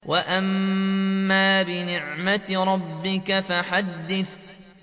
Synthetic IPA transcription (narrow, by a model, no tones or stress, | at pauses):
waʔamː | aːbɪnɪʕmaɾˤɑbːɪkafaħad̪ːɪθ